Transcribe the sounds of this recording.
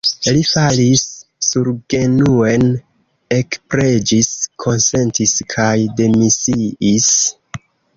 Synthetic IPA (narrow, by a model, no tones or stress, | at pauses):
lifalisːuɾɡe̞nue̞n | e̞kpɾe̞d͡ʒiskʰo̞nse̞ntiskʰajde̞misiis